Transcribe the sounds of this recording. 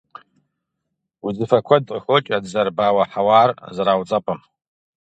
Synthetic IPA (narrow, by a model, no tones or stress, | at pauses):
uzɨfɐkʷʰadqʼəxʷot͡ʃʼadzɐrbaːwaħawaːrzaɾawt͡sʼɐpʰɐm